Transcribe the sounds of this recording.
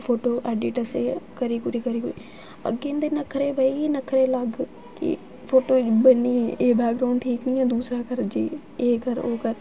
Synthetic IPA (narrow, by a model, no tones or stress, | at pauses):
foːʈoʔeːɖɪʈɐsekɐɾikʊɾikɐɾikʊɾi | ɐ̰ɡẽnd̪enɐkʰɾebʱɐinɐkʰɾelɐɡʱ | kḭ | foːʈobɐniebɛːk̚ɾaːʊ̃ɳɖʈʰiːknĩːãːd̪uːsɾakɐɾd͡ʒeː | ekɐɾoːkɐɾ